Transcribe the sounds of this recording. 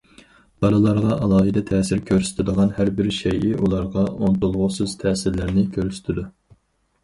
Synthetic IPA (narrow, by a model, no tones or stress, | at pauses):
b̥ɑlˠɨlˠɑɾʁɑʔɑlˠɑːɦɨd̪ɛt̪ʰɛːsɪɾkʲʰøɾsɪ̥t̪ʰɪd̪əʁɑnhæɾbɪɾʃɛjɪʔulˠɑɾʁɑʔont̪ulˠʁʊsɨz̥t̪ʰɛːsɪɾlæɾnɪkʲʰøɾsy̥t̪ʰɪd̪u